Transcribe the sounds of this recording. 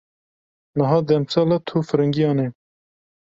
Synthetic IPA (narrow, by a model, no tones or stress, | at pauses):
nəɦɑːd̪ɛmsɑːlɑt̪ʰuːfɨɾɨŋɡijɑːne